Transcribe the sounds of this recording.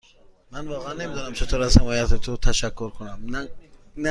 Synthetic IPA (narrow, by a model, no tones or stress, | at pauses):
manvɔːʁeanːemid̪ɔnamt͡ʃʰet̪ʰoɾazhamɔjat̪it̪ʰut̪ʰaʃakːuɾkʰunam | n